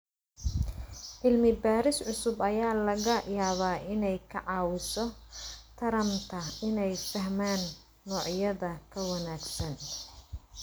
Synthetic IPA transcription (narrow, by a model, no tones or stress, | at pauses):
ʔɪlmɪbaːɾɪsʕʊsʊbɐjaːlɐɣɐjaːβaːʔɪnɛjkʰɐʕɑːwɪsɔt̪ʰɐɾɐmt̪ʰɐɪnɛjfɐɦmaːnː | ɔːʕjɐðɐkʰɐwɐnaːɡsɐn